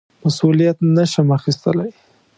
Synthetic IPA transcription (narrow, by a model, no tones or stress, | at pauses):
masulijat̪nəʃəmaxist̪əlaj